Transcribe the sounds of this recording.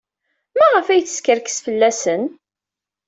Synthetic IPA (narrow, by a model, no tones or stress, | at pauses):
mæʁəfæjθə̥skəɾkə̥sfəlːæsən